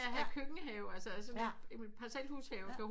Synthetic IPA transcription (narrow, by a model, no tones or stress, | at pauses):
ɦækʰøɡ̥ŋəɦɛʊælsəæsɒ̽neempʰɑ̈sɛld̥hushɛʊkʰæ